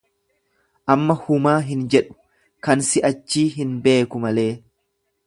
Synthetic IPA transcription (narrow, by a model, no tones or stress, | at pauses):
ʔɐmːɐhʊmaːɦɪnd͡ʒɛᶑʊ̥ | kɐnsɪʔɐt͡ʃːiːɦɪnbe̞ːkʊmɐle̞ː